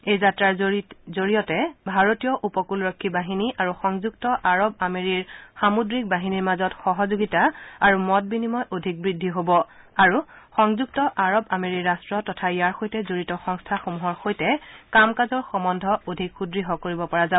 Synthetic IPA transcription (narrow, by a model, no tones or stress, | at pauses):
ejzatɹaɹzoɹijɔtɛbʱaɹotijɔʔupɔkulɹɔkʰːibaɦiniʔaɹuxɔŋzuɡ̚tɔʔaɹɔb̚ameɹiɹxamudɹik̚baɦiniɹmazɔtxɔɦɔzoɡitaaɹumɔt̚binimɔjʔodʱik̚bɹidʱːiɦobɔ | aɹuxɔŋzuktɔʔaɹɔbameɹiɹːastɹɔtɔtʰaijaɹxojtɛzoɹitɔxɔŋstʰaxomuɦɔɹxojtɛkamkazɔɹxɔmɔndʱɔodʱikxudɹiɦɔkoɹibɔpɔɹaza